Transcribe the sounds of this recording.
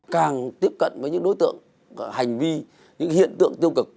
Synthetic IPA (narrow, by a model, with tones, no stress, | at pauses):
kaː˨˩ŋt̪i˦˥əp̚kə̰˧˨nvəː˨˦jɲɨ̰˧˥ŋɗo˨˦jt̪ɨ̰˧˨əŋ | ha˨˩jŋ̟vi˧ | ɲɨ̰˧˥ŋhḭ˧˨ənt̪ɨ̰˧˨əŋt̪i˧əwkɨ˨˩k̚